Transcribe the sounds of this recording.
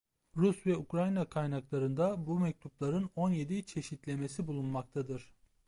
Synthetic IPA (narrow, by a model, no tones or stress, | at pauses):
ɾusvɛukɾajnakʰajnaklˠaɾɯnd̪abumɛc̚t̪ʰuplˠaɾɯno̞nje̞d̪it͡ʃʰe̞ʃit̪lʲe̞me̞sibulˠunmak̚t̪ʰad̪ɯɾ̥